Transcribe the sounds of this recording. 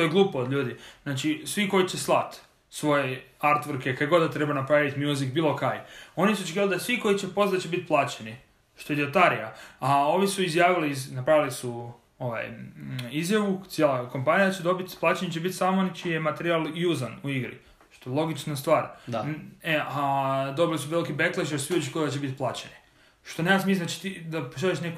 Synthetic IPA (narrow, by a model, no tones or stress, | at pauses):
t̪o̞jeɡlˠuːpoːd̪ʎʲuːd̪iznaːt͡ʃisʋiko̞jit͡ʃeslˠat̪ | sʋo̞jeaɾt̪ʋoɾkekajɡo̞d̪at̪ɾebanapɾaʋit̪mjuzikbiːlˠo̞kajo̞nisuot͡ʃekiʋalid̪asʋiko̞it͡ʃepo̞zat͡ʃebit̪̚plˠaːt͡ʃeni | ʃt̪oed̪iot̪aɾijaao̞ʋisuizjaːʋiliznapɾaʋilisu | o̞ʋa̰jizjaʋut̪jelˠakompanijad̪at͡ʃed̪o̞bit̪plaːt͡ʃenet͡ɕebit̪samoonit͡ʃijemat̪eɾialˠjuzanuiɡɾḭ | ʃt̪ojelˠo̞ɡit͡ʃnast̪ʋaːɾaead̪o̞bilisuʋe̞likibekleʃosʋiot͡ʃekiːʋald̪at͡ɕebit̪plˠaːt͡ʃeni | ʃt̪onejasmiznat͡ʃi̥t̪id̪apoʃaleʃneko